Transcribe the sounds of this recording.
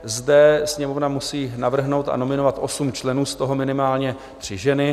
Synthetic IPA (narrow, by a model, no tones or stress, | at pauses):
zdɛsɲɛmovnamusiːnavr̩ɦno̞wt̪a̰no̞mɪno̞vat̪ʔosumt͡ʃlɛnuːst̪oɦo̞mɪnɪmaːlɲɛ | t̪r̝̥ɪʒɛnɪ